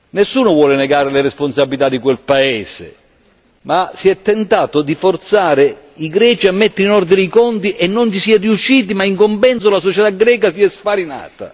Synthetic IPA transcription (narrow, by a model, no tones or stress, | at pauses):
nesːuːnʊvwɔːlɪnɛɡaːɾɪlɪɾesponsabːilit̪ad̪ːikwelpaɛːsɪ̰ | masiɛt̪ːɛnt̪aːt̪ʊd̪ifort̪saːɾɪ | iɡɾɛːt͡ʃiamːɛt̪ːɪɾinɔrd̪iɾiikɔnt̪iʔɛnːont͡ʃisiɛriuʃːiːt̪̬imaiŋkompɛns̬olasɔt͡ʃɛt̪aɡɾɛːkasiɛspaɾina̰ːt̪a̰